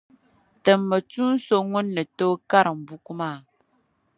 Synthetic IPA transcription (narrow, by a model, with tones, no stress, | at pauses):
tə˨mːə˨t͡su˦n̩˦so˦ŋo˦nːə˨tə˦ka˦˨ɾm̩˨bu˦ku˦ma˦˨